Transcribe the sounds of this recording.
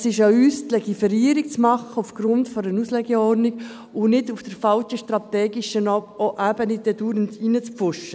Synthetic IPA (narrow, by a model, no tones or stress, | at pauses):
sɪʃayːstlɛɡifɛɾiːɾikt͡smɑχəufɡ̥ɾʊntfɔɾənuslɛɡɛɔɾdnik | ʊnɪdufd̥əɾfɑlt͡ʃəʃtɾɑt̪ɛːɡiʃənɔoʔæb̥ənɪdɛduːɾəntinət͡spfʊʃə